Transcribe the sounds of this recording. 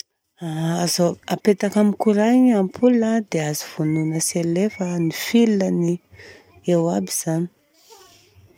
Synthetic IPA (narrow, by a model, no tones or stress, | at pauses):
aazoapet̪akamikuɾaɲampʰulad̪eaziv̥ununəselefənifilnəni | ewabiz̥ani̥